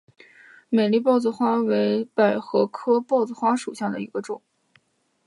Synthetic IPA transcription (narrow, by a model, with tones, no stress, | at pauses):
me˨˩ɪli˥˧pɑ˥˧ʊt͡s̩˧xwa˥we˧˥ɪpa˨˩ɪxɤ˧˥kʰɤ˥pɑ˥˩ʊt͡s̩˥˩xwa˥ʂu˨˩ɕja˥˩d̪ə̰˩i˧˥ɡə˧ʈ͡ʂʊ˨˩˦ŋ